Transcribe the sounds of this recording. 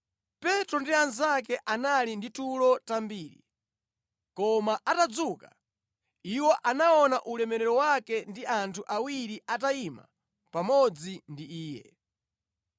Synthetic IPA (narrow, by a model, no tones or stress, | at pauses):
pɛtɾɔndianzak̬ɛʔanalinditulɔtambiːɾḭ | kɔmaʔatad͡zuːka̰ | iwɔʔanaɔnaʔulɛmɛɾɛɾɔwakɛndiantʰuʔawiɾiʔataima̰ | pamɔd͡zindiiːjɛ̰